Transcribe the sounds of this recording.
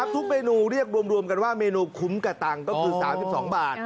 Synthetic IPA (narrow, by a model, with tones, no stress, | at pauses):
a˦˥p̚t̪ʰu˦˥k̚meː˧nuː˧ɾi˥˩ək̚ɾu˧əmɾu˧əmka˧nwaː˥˩meː˧nuː˧kʰu˩˦˥mka˧t̪a˧ŋkɔː˥˩kʰɯː˧saː˩˦msi˨p̚sɔː˩˦ŋbaː˨˩t̪̚